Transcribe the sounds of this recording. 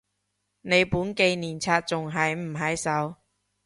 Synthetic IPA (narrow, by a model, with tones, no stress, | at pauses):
ne˨˧jpuː˨˥nke˧jniː˨˩nt͡sʰaː˧t̚t͡sʊ˨ŋɦɐ˨jm̩˨˩ɦɐ˨˥jsɐ˨˥w